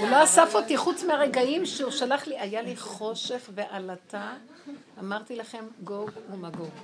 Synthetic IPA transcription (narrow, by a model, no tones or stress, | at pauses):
uloasafot̪iχut͡smeaʁe̞ɡaimʃeuʃalaχliʔajaliχo̞ʃe̞χve̞ʔalat̪a | amaʁt̪ilaχe̞mɡovumaɡov